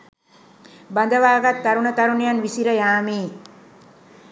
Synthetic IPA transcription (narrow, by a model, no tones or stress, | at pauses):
band̪əʋaːɡat̪ːaɾunət̪aɾunijanʋisiɾəjaːmiː